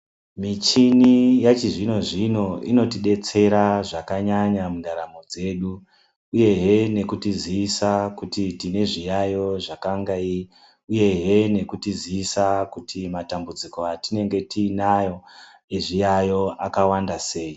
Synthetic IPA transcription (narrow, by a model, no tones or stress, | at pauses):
mit͡ʃinijat͡ʃiʐino̞ʐino̞ḭno̞tiɗe̞t͡se̞ɾaʐakaɲaɲamundaɾamo̞d͡ze̞ɗu | uje̞ɦe̞ne̞kutiziːsakutitine̞ʐijajo̞ʐakaŋɡai | uje̞ɦe̞ne̞kutiziːsakutʰimatambud͡ziko̞atine̞ŋɡe̞tiːnajo̞ | eʐijajo̞ʔakawandase̞ːi